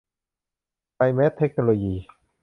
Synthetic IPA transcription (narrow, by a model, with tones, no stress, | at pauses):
a˧jme˦˥t̪ʰːe˦˥k̚no˧loː˧jiː˧˩